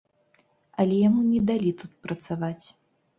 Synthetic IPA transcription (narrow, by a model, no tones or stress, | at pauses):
ɐlʲɛjamunʲɛd̪alʲit̪ut̪̚pɾɐt̪savat͡sʲ